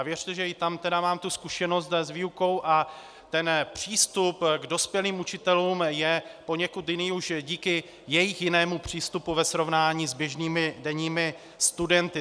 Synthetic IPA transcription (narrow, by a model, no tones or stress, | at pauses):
vjɛr̥t̪ɛʒɛɪt̪amt̪ɛdamaːmt̪uskuʃɛno̞st̪zviːuko̞wʔa | t̪ɛnpr̝̥iːst̪upɡdo̞spjɛliːmut͡ʃɪt̪ɛluːmjɛpo̞ɲɛkut̪jɪniːuʃɟiːkɪ | jɛjɪxjɪnɛːmupr̝̥iːst̪upuvɛsɾo̞vnaːɲiːzbjɛʒniːmɪdɛɲiːmɪ | st̪udɛnt̪ɪ